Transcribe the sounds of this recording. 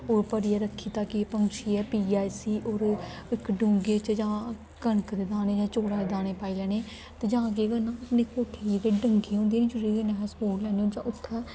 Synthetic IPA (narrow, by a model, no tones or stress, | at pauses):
oːɾpəɽiːɛːɾəkʰːiːt̪aːkipəŋt͡ʃʰiːɛːpiːaːisiːʔoːɾ | ɪkɖũːŋɡeːt͡ʃd͡ʒãː | kəɳkd̪eːd̪ãːneːd͡ʒãːt͡ʃoːɽaːd̪eːd̪aːneːpaːiːlɛːneː | t̪eːd͡ʒãːk̬eːɡənãːəpneːkoːʈʰeːed̪eːɖəŋɡẽːɦõːnd̪ieːnĩːd͡ʒʊɾiːɡənɛːsboːɽlɛːneõːd͡ʒãːʔʊt̪ʰːaː